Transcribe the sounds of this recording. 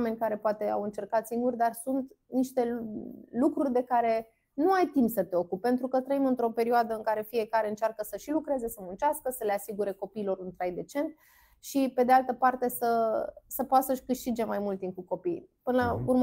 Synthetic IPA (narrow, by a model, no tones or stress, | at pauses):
me̞nʲkaɾe̞poat̪e̞a̰wɨnt͡ʃe̞rkat̪siŋɡurʲd̪arsunt̪niʃt̪e̞lukɾurʲd̪e̞kaɾe̞ | nuajt̪impsət̪e̞o̞kup̚e̞nt̪ɾukət̪ɾəimɨnt̪ɾo̞pe̞ɾioad̪əɨŋkaɾe̞fije̞kaɾe̞ɨnt͡ʃarkəsəʃilukɾe̞ze̞səmunt͡ʃaskəsəle̞asiɡuɾe̞ko̞piːlo̞ɾunt̪ɾajd̪e̞t͡ʃe̞nt̪̚ | ʃipe̞d̪ealt̪əpart̪e̞səsəpoat̪səʃʲkɨʃt̪id͡ʒe̞majmult̪ːinkuko̞pijpɨnlaurm